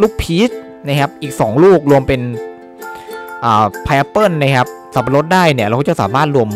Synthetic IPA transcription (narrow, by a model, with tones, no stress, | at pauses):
luː˥˩k̚pʰiː˦˥t̪̚ | na˦˥kʰa˦˥p̚ʔiː˨˩k̚sɔː˩˦ŋluː˥˩k̚ɾu˧əmpe˧n | ʔaː˨˩pʰa˧ja˧pɤː˥˩nːa˦˥kʰa˦˥p̚ | sa˨˩˦pa˧˩ɾo˦˥t̪̚daː˥˩jni˥˩ɾa˧kʰa˥˩t͡ɕa˧˩wsa̰ː˩˦maː˥˩t̪̚ɾu˧əm